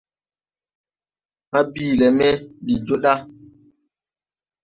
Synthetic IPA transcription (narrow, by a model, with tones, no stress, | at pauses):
ma˦biː˦˨lɛ˨mɛ˦li˨d͡ʒo˦ɗa˦